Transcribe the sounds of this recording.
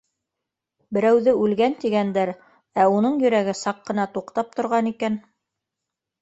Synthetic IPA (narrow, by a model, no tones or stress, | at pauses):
bɘ̆ɾæwðɘʉlɡænt̪iɡænd̪æɾ | æunɤɴjɵ̆ɾæɡɘsɑqːɤ̆nɑt̪uqt̪ɑp̚t̪ŏɾʁɑnikæn